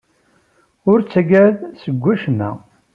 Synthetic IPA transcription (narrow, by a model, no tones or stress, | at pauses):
ʊɾt͡sːæɡæðsəɡʷːæʃnæ̰